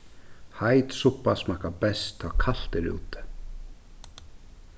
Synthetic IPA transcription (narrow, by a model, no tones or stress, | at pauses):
hajt̪suhpasmakabɛst̪ʰːakʰal̥t̪ɪɾṵːt̪ɪ̥